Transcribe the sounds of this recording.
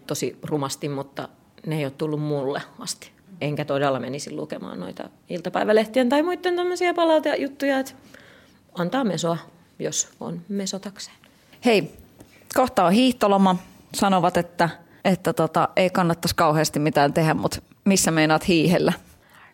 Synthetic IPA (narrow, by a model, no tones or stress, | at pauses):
t̪osirumɑst̪immut̪ːɑ̰ | neijoːt̪t̪ulːummulːḛɑst̪i̥ | eŋkæt̪odelːɑmenisillṵkemɑ̰ːnno̰it̪ɑ̰ | ilt̪ɑpæiʋæleht̪ient̪ɑimuit̪ːent̪æmːøsiɑpɑlɑt̪ɑjut̪ːujɑet̪ | ɑnt̪ɑːmesoɑ | joso̰nmesot̪ɑkse̥ːn | hei | koht̪ɑohiːht̪olomɑ | sɑnoʋɑt̪et̪ːæ | et̪ːæt̪ot̪ɑʔeikɑnːɑt̪ːɑskɑuheːst̪immit̪æːnt̪ehæmmut̪ | misːæmeinɑːt̪hiːhelːæ